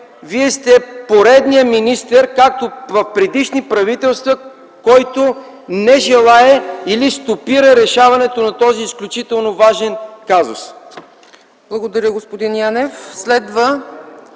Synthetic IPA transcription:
viɛst̪ɛpoɾɛd̪nijəminist̪ɛɾkak̚t̪ovɐfpɾɛd̪iʃnipɾɐvit̪ɛlˠst̪vɐ | kɔjt̪o | nɛʒɛlˠaɛilist̪opiɾɐɾɛʃavɐnɛt̪onɐt̪ɔziːsklʲut͡ʃit̪ɛlˠnovaʒɛnkazʊ̰s | blˠɐɡod̪ɐɾʲəɡospod̪injanɛfslɛd̪və

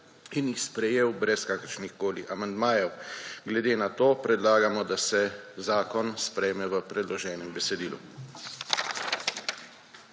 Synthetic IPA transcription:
injixspɾɛjeːwbɾɛskaːkəɾʃnixkoːliʔamand̪maːjɛwɡlɛd̪eːnat̪oːpɾɛd̪laːɡamɔd̪asɛzaːkɔnspɾɛjmɛʋəpɾɛd̪lɔʒɛːnɛmbɛsɛd̪iːlṵ

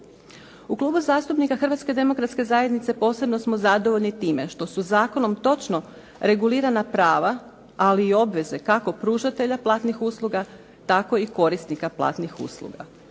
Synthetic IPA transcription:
uklˠuːbuzaːst̪upnikaxr̩ʋat̪ske̞d̪e̞mo̞kɾat̪ske̞zajed̪nit̪se̞po̞ːse̞bno̞smo̞zad̪o̞ʋo̞ʎnit̪iːme̞ʃt̪o̞suzaːko̞nomt̪o̞t͡ʃno̞ | ɾe̞ɡuliːɾanapɾaːʋa | aliːo̞bʋe̞ze̞kako̞pɾuːʒat̪e̞ʎaplˠaːt̪nixuːslˠuɡa | t̪ako̞iko̞ɾist̪nikaplˠa̰ːt̪nixṵːslˠṵɡa

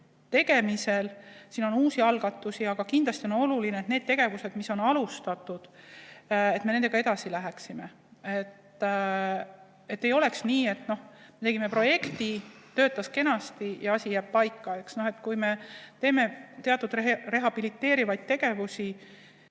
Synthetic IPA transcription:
t̪e̞ɡ̥e̞mise̞lsiːno̞nuːsiɑlɡ̥ɑt̪ːˑusiɑɡ̥ɑkind̪lɑst̪io̞no̞lulineet̪ned̥̪̚t̪e̞ɡ̥e̞vuse̞d̪miso̞nɑlust̪ɑt̪ːˑud̪̥ | e̞t̪ːmeend̪e̥ɑe̞d̪ɑsilæɦeksime̞ | et̪ː | e̞t̪ːe̞jo̞le̞ksniːe̞t̪no̞hme̞t̪e̞ɡ̥ime̞pro̞je̞kt̪it̪ø̞ːt̪ːˑɑske̞nɑst̪ijɑɑsʲijæːb̥̚pɑjkˑːɑeksno̞he̞t̪kujme̞t̪e̞ːme̞t̪e̞ɑt̪ːˑud̪rere̞ɦɑb̥ilit̪ːe̞ːɾivɑjd̪̥̚t̪e̞ɡ̥e̞vusi

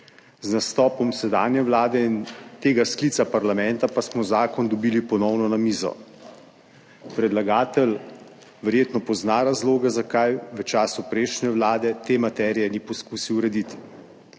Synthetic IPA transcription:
znast̪ɔːpɔmsɛd̪aːnjɛʋlaːd̪ɛint̪eːɡaskliːt̪sapaɾlamɛnt̪apasmɔzaːkɔnd̪ɔbiːlipɔnɔwnɔnamiːzɔ̰ | pɾɛd̪laɡaːt̪ɛl | ʋɛɾjeːt̪nɔpɔznaɾazloːɡɛzakajʋət͡ʃaːsupɾeʃnɛʋlaːd̪ɛt̪eːmat̪ɛɾijɛnipɔskuːsiwɾɛd̪it̪i̥

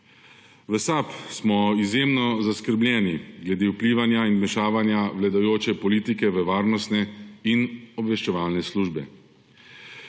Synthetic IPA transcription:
ʋəsapsmɔizjemnɔzaskəɾblʲɛːniɡlɛd̪ewpliːʋanjainmɛʃaːʋanjawlad̪ajoːt͡ʃɛpɔliːt̪ikɛʋəʋaːɾnɔst̪nɛinɔbʋɛʃt͡ʃɛʋaːlnɛsluːʒbɛ̰

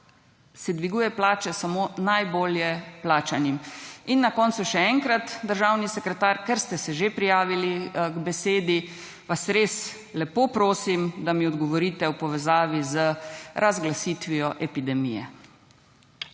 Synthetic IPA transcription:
sɛd̪ʋiɡuːjɛplaːt͡ʃɛsamonajboːljɛplaːt͡ʃaniminːakɔːnt̪suʃɛɛŋkɾat̪d̪əɾʒaːwnisɛkɾɛt̪aɾkɛɾst̪ɛsɛʒepɾijaːʋiliɡbɛseːd̪i | ʋasɾes | lɛpopɾoːsimd̪amiɔd̪ɡɔʋɔɾiːt̪ɛwpɔʋɛzaːʋizəɾʔazɡlasiːt̪ʋijɔʔɛpid̪ɛmijɛ̰

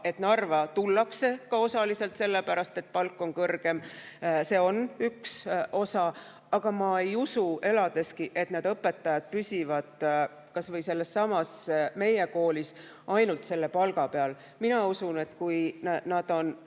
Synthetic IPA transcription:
e̞t̪nɑrvɑt̪ulːɑkse̞kɑo̞sɑlise̞lt̪se̞lːe̞pæɾɑst̪e̞t̪̚pɑlkːˑo̞ŋkɤrɡ̥e̞m | se̞ːo̞nykso̞sɑ | ɑɡ̥ɑmɑe̞jusue̞lɑd̪̥e̞skiʔe̞t̪ned̪ɤpːˑe̞t̪ːɑjɑd̪̥̚pysʲivɑd̪̥ | kɑsvɤjse̞lːe̞sːɑmɑsme̞je̞ko̞ːlis | ɑjnult̪se̞lːe̞pɑlɡɑpe̞ɑl | minɑusune̞t̪kujnnɑd̪̥o̞n

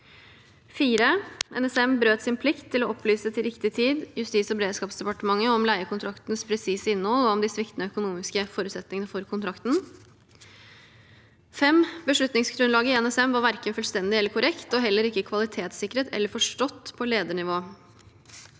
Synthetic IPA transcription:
fiːɾəʔɛ̰nɛsɛmbɾøːt̪sɪnpʰlɪkt̪ʰːɪlɔʔɔplyːsət̪ʰɪlɾɪkt̪ɪt̪ʰiːd̪jʉst̪iːt̪sɔbɾeːd̪ʂkɑːpsd̪ɛpɑʈəmɑŋːəɔmlæɪəkʰʊnt̪ʰɾɑkt̪nəspʰɾɛsiːsəɪnːɔlɔɔmd̪ɪsʋɪkt̪nəœkʊnuːmɪskəfɔɾʉt̪sɛt̪nɪŋənəfɔɾkʰʊnt̪ʰɾɑkt̪n̩ | fɛmbəʂɭʉt̪nɪŋsɡɾʉnlɑːɡəɪɛnɛsɛmʋɑɾʋæɾkənfʉlst̪ɛnd̪ɪɛlːəɾkʰʊɾʔɛkt̪ɔɦɛlːəɾɪkːəkʰʋɑlɪt̪ʰeːt̪sɪkːɾət̪ʰɛ̰lːəɾfɔʂʈɔt̪ːpʰɔleːd̪əɳɪʋoː

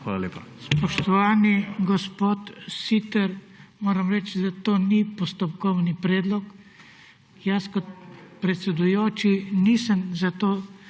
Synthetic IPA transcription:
xaːlalepaspɔʃt̪ɔʋaːniɡɔspoːt̪sit̪ɛɾ | moːɾəmɾɛt͡ʃd̪at̪oːnipɔst̪ɔpkɔwnipɾɛːd̪lɔk | jaskɔt̪̚pɾɛt̪sɛd̪ujoːt͡ʃinisəmzat̪oː

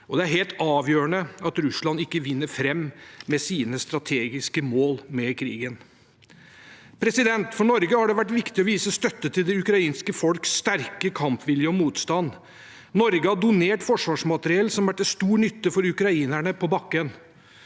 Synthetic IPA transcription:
ʔɔd̪ɛæɾɦeːlt̪ɑːʋjøːɾəɳəɑt̪ɾʉslɑnɪkːəʋɪnːəɾfɾɛmːmɛsiːnəst̪ɾɑt̪ʰeːɡɪskəmoːlmɛkʰɾḭːɡən | pʰɾɛsɪd̪ɛnt̪fɔɳɔɾɡəhɑɖɛʋæʈːʋɪkt̪ɪɔʋiːsəst̪œt̪ːət̪ʰɪld̪ɛʉkɾɑiːnskəfɔlksːt̪æɾkəkʰɑmpʋɪljəɔmuːt̪st̪ɑnː | nɔɾɡəhɑd̪ʊneːʈfɔʂʋɑːʂmɑt̪əɾɪɛlsɔmʋæʈːɛst̪uːnʏt̪ːəfɔɾʉkɾɑiːnæɳəpʰɔbɑkːən

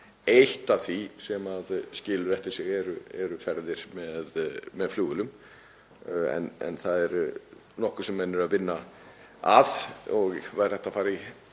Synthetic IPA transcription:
eht̪avθisɛmaðscɪːlʏɾɛhft̪ɪɾsɪɣɛɾʏɛɾʏfɛɾðɪɾ̥mɛðmɛðfluːɣʏlʏm | ɛ̰nɛ̰nθaðɛɾ | nɔhkʏɾ̥sɛmːɛnːɪɾaðvɪnːa | aðɔɣvaɾ̥ɛht̪afaːɾɪ

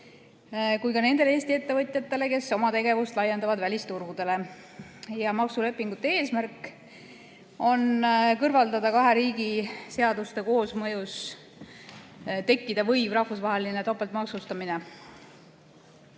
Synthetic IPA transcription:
kujkɑne̞nd̪e̞leeːsʲt̪iet̪ːe̞vɤt̪ʲˑjɑt̪ːˑe̞le̞ke̞sːo̞mɑt̪e̞ɡe̞vust̪lɑjːe̞nd̪̥ɑvɑd̪vælʲist̪urɡ̥ud̪̥e̞le̞ | jɑmɑksule̞pːˑiŋɡ̥ut̪ːˑee̞ːsmærkːˑ | o̞nkɤrvɑld̪ɑd̪ɑkɑɦe̞ɾiːɡise̞ɑd̪ust̪e̞ko̞ːsmɤjus | t̪e̞kːid̪̥ɑvɤ̞jvrɑhfusvɑɦe̞linet̪opːˑelt̪mɑksust̪ɑmine̞

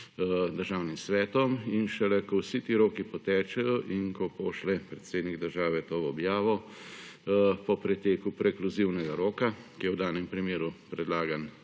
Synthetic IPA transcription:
d̪əɾʒaːwnimsʋɛːt̪ɔminʃɛlɛkɔwsit̪iɾoːkipɔt̪ɛːt͡ʃɛjɔʔiŋkɔpɔʃlɛpɾɛt̪seːd̪nikd̪əɾʒaːʋɛt̪oːɔbjaːʋɔ | pɔpɾɛt̪eːkupɾɛkluziwnɛɡaɾoːkakijɛwd̪aːnɛmpɾimeːɾupɾɛd̪laːɡan

